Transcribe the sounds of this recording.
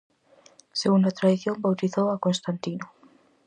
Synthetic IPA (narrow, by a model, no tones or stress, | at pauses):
seɣund̪at̪ɾaðiθjombawt̪iθowakonst̪ant̪inʊ